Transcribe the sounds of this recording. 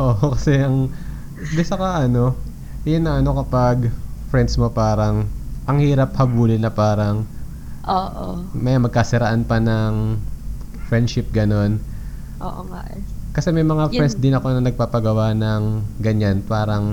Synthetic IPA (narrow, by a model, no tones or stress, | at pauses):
ʔoʔokɐsɛʔɐŋ | b̪ɪsɐkɐʔɐno̞ | jʊnːɐʔɐno̞kɐpɐɡfɹɛnd̪smo̞paːɾɐŋʔɐŋhiːɾɐp̚hɐbuːlɪnɐpaːɾɐŋ | ʔoːʔomɐjamɐɡ̚kɐsɪɾɐʔanpɐnɐŋ | fɹɛnd̪ʃɪp̚ɡɐno̞n | ʔo̰ːʔoakɐsɛmɐjmɐŋafɾɛnsd̪ɪnɐko̞nɐnɐɡ̚paːpɐɡɐwanɐŋɡɐɲanpaːɾɐŋ